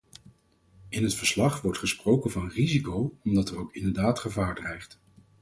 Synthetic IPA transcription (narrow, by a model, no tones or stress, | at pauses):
ɪnɦətfəɹslɑχʋɔɹtχəsprowkənvɑnrizikowɔmdɑtɛrowkɪndəɹdaːtχəvaːɹdrɛjχt